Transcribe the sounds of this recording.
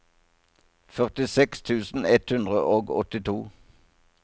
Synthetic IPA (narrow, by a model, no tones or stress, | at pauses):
fœʁt̪ɪsɛkst̪ʰʉːsn̩ɛt̪hʉnd̪ʁəʔoːɡɔ̰t̪ɪt̪ʰuː